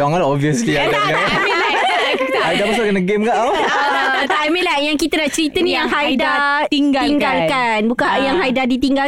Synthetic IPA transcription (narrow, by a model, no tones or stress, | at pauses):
aaŋalaɔviəslialaamela | hajdabəsukənaɡemkaʔaw | at̪aamelahjaŋkit̪ənaʔt͡ʃəɾit̪ənijaŋɦajdat̪iŋɡaiŋɡalkanbukajaŋɦajdadit̪iŋɡal